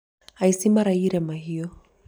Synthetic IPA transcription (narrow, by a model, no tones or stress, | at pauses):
aisimaɾaiɾɛmaɦiɔ